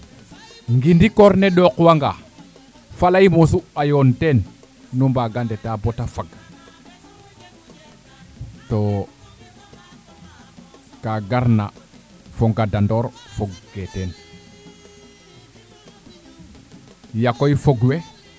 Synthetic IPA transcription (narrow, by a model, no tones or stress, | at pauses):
ŋɡindikoɾneɗokwaŋɡa | falaimosuajontenː | umbaɡandetabotafaɡ | to | kaɡaɾna̰ | foŋɡadandoɾfoɡɡeten | jakojfoɡwe